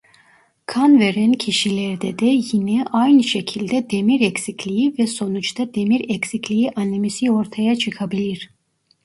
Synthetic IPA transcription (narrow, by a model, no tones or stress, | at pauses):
kʰanveɾæncʰiʃilʲɛɾd̪ɛd̪ɛjinɛʔajnɯʃecʰilʲd̪ɛd̪emiɾecsiclʲijivɛso̞nut͡ʃt̪ʰad̪e̞miɾecsiclʲijiʔanimisio̞ɾt̪ʰajat͡ʃʰɯkʰabilʲiɾ̥